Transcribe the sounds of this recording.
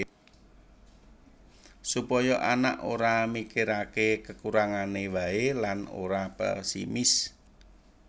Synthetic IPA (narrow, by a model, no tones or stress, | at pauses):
supɔjɔʔana̰ʔoɾamikiɾakekəkuɾaŋanewaelano̰ɾapɛ̰sḭmɪs